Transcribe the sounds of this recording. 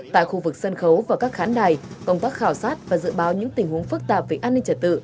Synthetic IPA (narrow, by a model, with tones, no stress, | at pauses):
t̪a̰ː˧˨jxu˧vɨ˨˩k̚sə˧nxə˨˦wvaː˨˩kaː˦˥k̚xaː˨˦nɗaː˨˩j | kə˧wŋ͡mt̪aː˦˥k̚xaː˧˩wsaː˦˥t̚vaː˨˩zɨ̰˧˨ɓaː˨˦wɲɨ̰˧˥ŋt̪ï˨˩ŋ̟hu˨˦əŋfɨ˦˥k̚t̪aː˨˩p̚ve˨˩ʔaː˧nːï˧ŋt͡ɕə˨˩t̚t̪ɨ̰˧˨